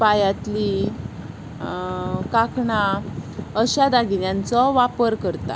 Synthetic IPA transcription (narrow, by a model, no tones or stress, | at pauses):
pajat̪li | kakɳa | əɕad̪aɡinjant͡sɔʋapəɾkəɾt̪a̰